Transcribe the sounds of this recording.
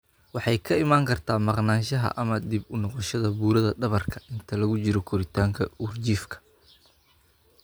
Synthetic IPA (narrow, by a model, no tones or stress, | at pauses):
wɑħɑjkʰɐɪmaːŋkʰɐrt̪ʰaːmɐqnaːnʃɐɦɐ̰ʔɐmɐd̪ibʊnɔqɔʃɐðɐbuːɾɐðɐɖɐβɐrkʰɐ̥ɪnt̪ʰɐlɐɣʊt͡ʃɪɾɔkʰɔɾɪt̪ʰaːŋkʰɐurt͡ʃiːfkʰɐ̥